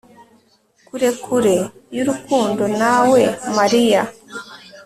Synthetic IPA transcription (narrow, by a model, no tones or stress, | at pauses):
kuɾe̞kʰuɾe̞juɾukuːndo̞nawe̞maɾija